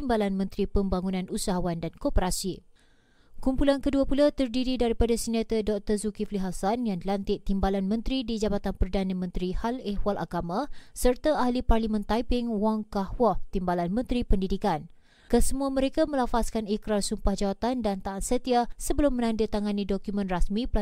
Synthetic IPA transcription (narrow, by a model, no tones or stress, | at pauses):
t̪imbalanmə̃nt̪ɾipəmbaŋunãnusaɦawandankopəɾasi | kumpulankəduapulat̪ərdiɾidaɾipadasənat̪ədɔk̚t̪əzukifliɦasanjaŋdlant̪ɪʔt̪imbalanmə̃nt̪ɾidid͡ʒabat̪anpərdanãmə̃nt̪ɾihalɛhwalʔa̰ɡamãsərt̪aahliparlimə̃nt̪aipɪŋwaŋkahwɔt̪imbalanmə̃nt̪ɾipəndidikan | kəsəmuaməɾekamə̃lafaskanikɾarsumpahd͡ʒawat̪andant̪aːt̪̚sət̪iasəbəlʊmːə̃nãndət̪aŋanidokumə̃nrasmĩp